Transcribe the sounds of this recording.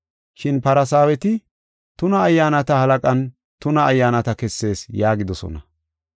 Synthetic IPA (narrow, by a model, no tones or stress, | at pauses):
ʃɪnpɐɾɐsaːwɛt̪ɪ | t̪ʊnɐːjːaːnɐt̪ɐhɐlɐkʼɐn | t̪ʊnɐːjːaːnɐt̪ɐkɛsːe̞ːsjaːɡɪd̪ɔsɔ̰nɐ